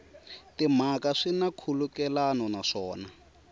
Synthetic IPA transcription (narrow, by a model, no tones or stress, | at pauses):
tim̤akaʂinakʰulukɛlanɔnaʂɔːna